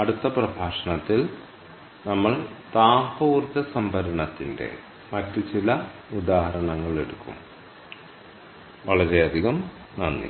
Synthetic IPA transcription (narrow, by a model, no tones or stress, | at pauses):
ɐɽut̪ːɐprɐbʱaːʂɐɳɐt̪ːil | nɐmːɐɭt̪aːmpuːrt̪ɐsɐmbʱɐɾɐɳɐt̪ːindḛ | mɐtːut͡ɕilɐud̪aːhɐɾɐɳɐŋːɐɭe̞ɽukːṵm | ʋɐɭɐɾeɐd̪ʱiɣɐm | nɐnːḭ